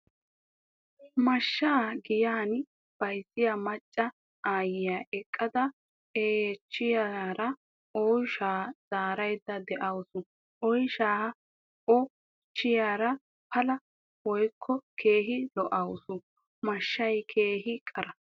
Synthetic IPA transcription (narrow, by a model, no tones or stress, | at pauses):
mɐʃːaːɡɪjaːn | b̥ɐjsːɪjamɐt͡ʃʼːɐ | ʔaːjɪjaːʔɛkʼːɐd̪ɐ | eːjɛt͡ʃːɪjaɾɐ | ɔjʃaːz̥aːɾɐjd̪ːɐd̪ɛʔɐwsʊ | ʔɔjʃaː | ʔɔ | t͡ʃːɪjaːɾɐ | pɐlɐ | wɔjkʰːɔkʰe̞ːɦɪlɔʔɐwsʊ | mɐʃːɐjkʰe̞ːhɪkʼɐɾɐ